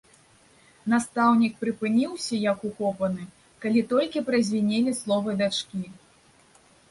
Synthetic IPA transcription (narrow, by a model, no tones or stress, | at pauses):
nast̪awnʲik̚pɾɨpɨnʲiwsʲɐjɐkukɔpɐnɨ | kalʲit̪ɔlʲkʲipɾɐzʲvʲinʲɛlʲislˠɔvɨd̪at͡ʂkʲi